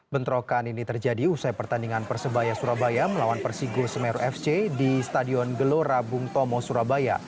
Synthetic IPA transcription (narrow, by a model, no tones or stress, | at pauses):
bənt̪ɾokaninit̪ərd͡ʒadiusajpərt̪andiŋanpərsəbajasuɾabajaməlawanpərsiɡosəmɛɾuʔɛft͡ʃedisət̪adiɔnɡəloɾabuŋt̪ɔmɔsuɾabaja̰